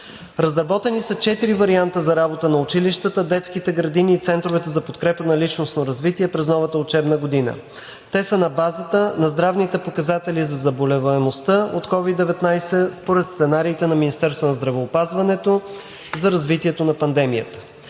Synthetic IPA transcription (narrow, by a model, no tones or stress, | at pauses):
ɾɐzɾɐbɔt̪ɛnisət͡ʃɛt̪iɾivɐɾiant̪əzɐɾabot̪ənɐʊt͡ʃiliʃt̪ət̪əd̪ɛt̪sk̟it̪ɛɡɾɐd̪iniːt̪sɛnt̪ɾovɛt̪ɛzɐpot̪kɾɛpənɐlit͡ʃnosnoɾɐzvit̪iɛpɾɛznɔvɐt̪əot͡ʃɛbnəɡod̪inə̰ | t̪ɛsənɐbazət̪ənɐzd̪ɾavnit̪ɛpokɐzat̪ɛlizɐzɐbolɛvɐɛmost̪əot̪kɔvid̪ːɛvɛt̪najsɛspoɾɛt̪st̪sɛnaɾiːt̪ɛnɐminʲist̪ɛɾst̪vonɐzd̪ɾɐvɛopazvɐnɛt̪o | zɐɾɐzvit̪iɛt̪onɐpɐnd̪ɛmijə̰t̪ə̥